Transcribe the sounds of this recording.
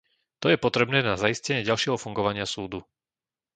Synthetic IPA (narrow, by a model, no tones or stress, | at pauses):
t̪ɔjɛpɔt̪ɾɛbnɛːnazaiscɛɲɪɛɟalʃɪɛɦɔfuŋɡɔʋaɲɪasuːd̪u